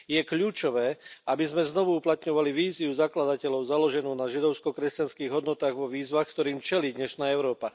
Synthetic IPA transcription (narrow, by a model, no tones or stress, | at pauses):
jɛkʎuːt͡ʃɔʋɛːabizmɛznɔʋuuplat̪ɲɔʋaliʋiːziuzaklad̪acɛlɔʊzalɔʒɛnuːnaʒid̪ɔʊskɔkɾɛscanskiːɣɦɔd̪nɔt̪aːɣʋɔʋiːzʋaːxkt̪ɔɾiːmt͡ʃɛliːd̪ɲɛʃnaːɛʊɾɔːpa